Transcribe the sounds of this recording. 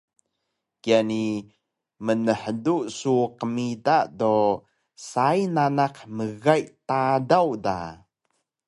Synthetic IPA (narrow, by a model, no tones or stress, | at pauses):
kiani | mənəħəduʔsuqəmidado | sajnanaqməɣajtadawda̰